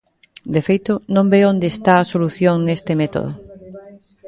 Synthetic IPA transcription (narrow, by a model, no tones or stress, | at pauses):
d̪efejt̪onõmbeond̪eːst̪aɐsoluθjoŋnest̪emet̪o̰ðo̰